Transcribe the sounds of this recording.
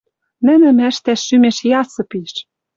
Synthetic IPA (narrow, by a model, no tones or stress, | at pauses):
nɘ̆nɘ̆mæʃt̪æʃːymeʃjɑsɤ̆piʃ